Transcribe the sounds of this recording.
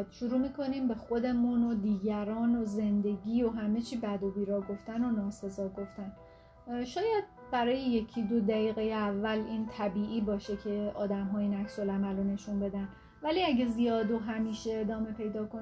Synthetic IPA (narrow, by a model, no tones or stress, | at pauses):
d̪̥ʃuɾuːmiːkʰo̞niːmbe̞xo̞d̪e̞munod̪iːɟæɾɒːnoze̞nd̪e̞ɟiːo̞ɦæme̞t͡ʃʰiːbæd̪o̞biːɾɒːɡo̞ft̪æno̞nɒːse̞zɒːɡo̞ft̪æn | ʃɒːjæd̪̚ | bæɾɒːjeje̞cʰid̪o̞d̪æiːɣejeævːæliːnt̪ʰæbiːʔiːbɒːʃe̞cʰe̞ɒːd̪æmɦɒːjinæksolæmælone̞ʃunbe̞d̪æn | væliæɟe̞zijɒːd̪oɦæmiːʃeːd̪ɒːme̞pʰe̞jd̪ɒːkʰo